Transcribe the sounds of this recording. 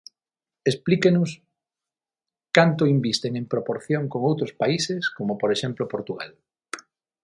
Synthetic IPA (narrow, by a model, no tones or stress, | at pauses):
esplikenʊs | kant̪ʊimbist̪eŋẽmpɾopoɾθjoŋkoŋowt̪ɾʊspaiseskomopoɾeʃemplʊpoɾt̪uɣa̰l